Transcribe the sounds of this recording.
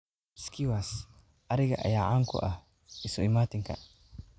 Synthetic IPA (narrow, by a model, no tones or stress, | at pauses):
skiwas | ʔaɾiɡaʔa̰jaʕaŋkɔ̰ʔa̰ | isɔimat̪iŋka̰